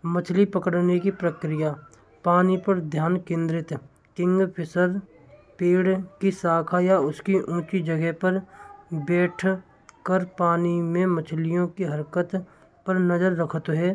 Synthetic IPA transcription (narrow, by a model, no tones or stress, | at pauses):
mət͡ʃʰlipəkəɽnekipɾəkɾijaː | paːnipəɾd̪ʱjaːnkẽːnd̪ɾɪt̪ | kɪ̃ŋɡpʰɪsəɾ | peːɽkisaːkʰajaʊskiʔũːt͡ʃid͡ʒəɡɛɦpəɾbɛːʈʰ | kəɾpaːnimẽmət͡ʃʰlijõkiɦəɾkət̪ | pəɾnəzəɾːəkʰət̪ɦɛː